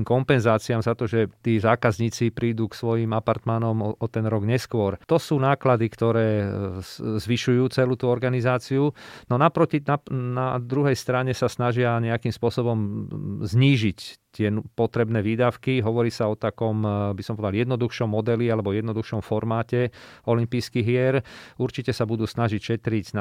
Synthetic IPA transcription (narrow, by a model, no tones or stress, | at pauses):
mkɔmpɛnzaːt͡siamzat̪ɔʒɛt̪iːzaːkazɲiːt͡sipɾiːd̪uːksʋɔjimapaɾt̪manɔmɔʔɔt̪ɛnɾɔɡɲɛskʊɔɾt̪ɔsuːnaːklad̪ikt̪ɔɾɛː | zʋiʃujuːt͡sɛluːt̪uɔɾɡanizaːt͡siunɔnapɾɔcinanad̪ɾuɦɛjst̪ɾaɲɛsasnaʒɪaɲɛakimspʊɔsɔbɔmzɲiːʒict̪ɪɛnpɔt̪ɾɛbnɛːʋiːd̪aʊkiɦɔʋɔɾiːsaɔt̪akɔmbisɔmpɔʋɛd̪aljɛd̪nɔd̪uxʃɔmːɔd̪ɛlialɛbɔjɛd̪nɔd̪uxʃɔmfɔɾmaːcɛɔlimpiːskiɦɪɛɾuɾt͡ʃicɛsabud̪uːsnaʒicʃɛt̪ɾiɟ̪